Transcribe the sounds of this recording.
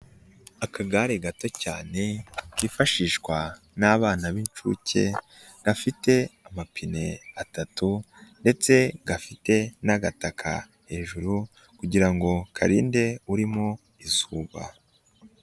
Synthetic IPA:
akaɡaɾeɡato̞caːne̞kiːfaʃiːʃkwa | naβaːnaβint͡ʃṵce̞̰ | dafite̞amapʰine̞atatu | nde̞t͡se̞ɡafite̞naɡatakʰa̰ | he̞ːʒuɾu | kuɟiɾaŋɡo̞kʰa̰ɾiːnde̞uɾimo̞ | izuːβa̰

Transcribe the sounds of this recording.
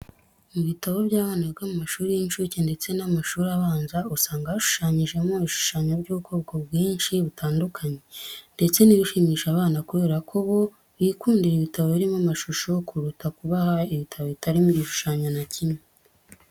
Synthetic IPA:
muβitaβo̞bɟaːβaːnaβɡamumaʃuːɾijiɲʃucende̞t͡se̞namaʃuːɾaβaːnzausaːŋɡaβaʃu̥ʃaːɲiʒe̞muβiʃu̥ʃaːɲoɾɟuːβuko̞ːb̚ɡobɡiːnʃiβutʰaːndukʰaɲe̞nde̞t͡se̞niβiʃimiːʃaβaːnakuβe̞ːɾakʰo̞βo̞ | βiːkuːndiɾiβitaβoβiɾimamaʃuʃokuɾutakuβahaiβitʰaβoβitaɾimuɾiʃu̥ʃaːɲonacime

